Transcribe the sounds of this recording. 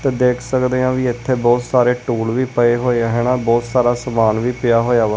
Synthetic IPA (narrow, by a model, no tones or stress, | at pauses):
t̪eːd̪eːkʰsəkd̪eːãːʋiːɪt̪ʰːeːbɔːt̪saːɾeːʈuːlʋiːpəeːɦoːeɦɛːnãːbɔːt̪saːɾaːsəmaːnʋiːpɪjaːɦoːjaːʋə